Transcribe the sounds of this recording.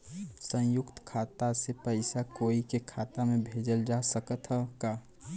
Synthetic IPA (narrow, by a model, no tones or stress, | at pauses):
sə̃jʊkt̪kʰaːt̪asepəɪsakoːikekʰat̪amẽbʱed͡ʒəld͡ʒasəkət̪ɦəkaː